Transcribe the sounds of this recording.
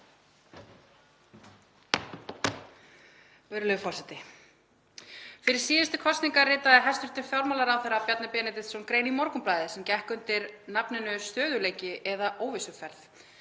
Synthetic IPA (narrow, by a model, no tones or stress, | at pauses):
vɛɾlʏfɔr̥sɛt̪ɪ | fɪɾɪɾ̥siːðɪst̪ʏkʰɔst̪iŋkarɪːt̪aðɛɦɛst̪ʏɾ̥t̪ʏmfjawɾmalaɾawθɛɾapjat̪napɛːnɛt̪ɪt̪sɔnkɾeːjnimɔɾkʏmplaːjðɪsɛmcɛhkʏnt̪ɪɾnapnɪnʏst̪œːðʏleːjcɪʔɛðaʔoːwvɪsʏfɛɾθ